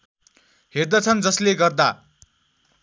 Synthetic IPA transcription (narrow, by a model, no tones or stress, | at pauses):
ɦerd̪at͡sʰʌnd͡zʌsleɡʌrd̪a